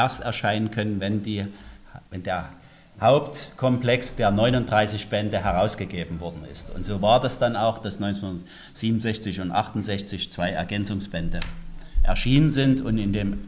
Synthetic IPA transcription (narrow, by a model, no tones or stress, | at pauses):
ɛɐstɛɐʃaɪnənkʰœnənvɛndiː | vɛndeːɐ | haʊptkʰɔmplɛksd̥eːɐnɔʏnʊntd̥ʁaɪsɪçb̥ɛndəɦɛʁaʊsɡ̥əɡeːbm̩vɔɐdn̩ɪ̰stʊ̰ntz̥oːvaːɐdasd̥anaʊxd̥asnɔʏnt͡snndɐt | z̥iːbmn̩zɛçt͡sɪçʊntʔa̰χtʊnzɛçt͡sɪçt͡sv̥aɪɛ̰ɐɡɛnt͡sʊŋsb̥ɛndəʔɛ̰ɐʃiːnənzɪntʊntɪndeːm